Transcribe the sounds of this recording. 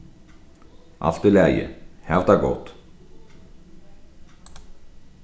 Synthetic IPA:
ʔa̰ft̪ɪlɛjɪ̰hɛvt̪aɡo̰wt̪

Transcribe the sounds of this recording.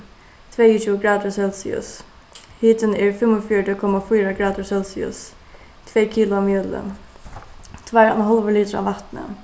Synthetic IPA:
t̪ʰvɛjʊt͡ʃʰuəɡɾaːd̪ʊɹsɛlsɪ̰ʊ̰s | hiːt̪ənɛɹfɪmʊfjɔɖəkʰɔmːafijɾaɡɾaːd̪ʊɹsɛlsɪʊ̰s | t̪ʰvɛːkʰiːlʊamjœːd̪lə̰n | t̪ʰvæɾa̰nɦɔlʋəliːt̪ɾa̰vat̪nə̰

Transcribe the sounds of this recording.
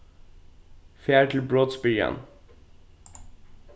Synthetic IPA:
fæːʈʰl̩bɹoːd̪spiə̰n

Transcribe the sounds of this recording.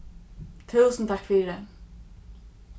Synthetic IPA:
t̪ʰʉːsənt̪ʰɑkfʏɾə

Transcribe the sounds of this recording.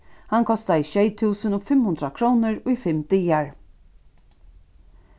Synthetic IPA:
hankʰɔst̪aiʃɛjt̪ʰuːsənɔfɪmhʊnd̪ɾakʰɾuːnəɹʊifɪmt̪ijaɹ

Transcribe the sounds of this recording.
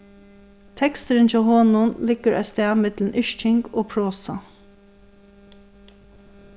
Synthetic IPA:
t̪ʰɛkst̪əɾɪnt͡ʃɛːɦɔːnʊnlɪkːəɾʔa̰st̪ɛːmɪt̪lnʔɪʃt͡ʃɪŋɡoːpʰɹoːsa

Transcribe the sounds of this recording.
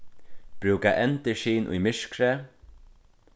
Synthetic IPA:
b̥ɾʉːkaʔɛnt̪əʃiːnʔʊ̰jmɪʂkɾɛ

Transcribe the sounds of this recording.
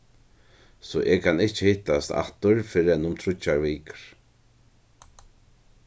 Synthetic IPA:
sɔʔɛkʰanɪht͡ʃəhɪht̪ast̪a̰t̪ʊɹfɪɾɪɛnʊmt̪ʰɾʊt͡ʃaɹʋiːkɹ̥

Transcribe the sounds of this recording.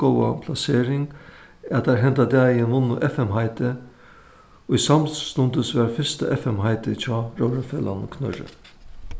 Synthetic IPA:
ɔwapʰlaseːɾɪŋ | ɛt̪aɾɦɛnt̪ad̪ɛːjɪnʋʊnːʊʔɛfɛmɦaɪt̪ɪ | ʊjsamst̪ʊnt̪əsʋæɾfɪɾst̪aʔɛfɛmɦaɪt̪ɪt͡ɕʰɔːɾœwɾafɛːla̰nkʰnœ̰ɹə̰

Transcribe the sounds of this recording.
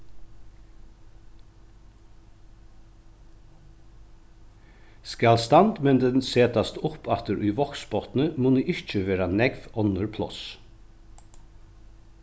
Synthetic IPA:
skɑlst̪ɑnd̪mɛnd̪ɛnseːt̪ɑst̪əʊpʰɑt̪əɾʔʉːʋɔksbɔt̪n̩əmoːniːʔɪc͡çəʋeːɾɑnɛɡʋɔnəɹpʰlɔ̰s

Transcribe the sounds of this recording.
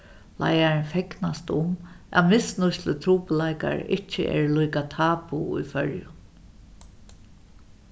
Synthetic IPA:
lʔa̰jaɹnfɛknast̪ʊm | a̰ðmɪsnʊslət̪ʰɾuːpəlajka̰ɹɪht͡ʃːɪ̰ʔɛ̰ːɹlujkat̪ʰaːpuṵjfœɹjʊ̰

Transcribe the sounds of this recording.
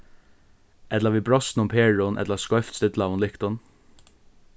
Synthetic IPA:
ɛt̪laɾviːbɹɔst̪nʊmpʰeːɹʊnʔɛ̰t̪laskɔjft̪st̪ɪt̪laːʋʊnlɪkt̪ʊn

